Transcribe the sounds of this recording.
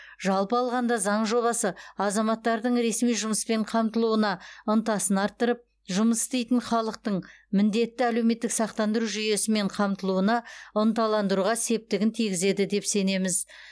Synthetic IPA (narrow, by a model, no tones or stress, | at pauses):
ʒɑlˠpəɑlˠʁɑnd̪ɑzɑɴʒo̞βɑsəɑzɑmɑt̪ːɑɾd̪əɴɾe̞smijʒʊməspe̞ɴqʰɑmt̪əlˠuənɑʊnt̪ɑsənɑɾt̪ːəɾəp̚ | ʒʊməsɪ̥st̪ejt̪ɪɴχɑlˠəq̚t̪əɴmɪnd̪e̞t̪ːɪæle̞wme̞t̪ːɪksɑq̚t̪ɑnd̪əɾuʒʏje̞sɪme̞ɴqʰɑmt̪əlˠuənɑʊnt̪ɑlˠɑnd̪əɾuʁɑse̞p̚t̪ɪɡʲɪnt̪ʰijɡʲɪze̞d̪ɪd̪e̞pse̞ne̞mɪz